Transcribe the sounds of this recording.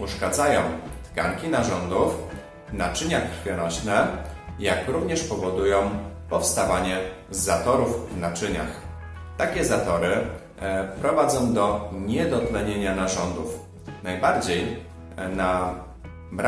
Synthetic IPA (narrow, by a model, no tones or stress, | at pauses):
uʂkad̪zajɔ̃w̃t̪ka̰ŋkʲinaʐɔnd̪uf | vnat͡ʂɘɲaxkɾfʲjɛnɔɕnɛjakɾuvɲɛʂpɔvɔd̪ujɔ̃w̃pɔfst̪avaɲɛ | zat̪ɔɾuvvnat͡ʂɘɲa̰x | t̪akʲɛzat̪ɔɾɘ | pɾɔvad̪zɔ̃w̃d̪ɔɲɛd̪ɔt̪lɛɲeɲanaʐɔnd̪uf | najbaɾd͡ʑej | na | bɾ